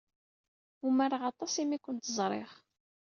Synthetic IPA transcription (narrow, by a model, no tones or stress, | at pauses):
umaɾaʁɑt̪ˤɑsimikʷənt̪əzˤɾˤḛχ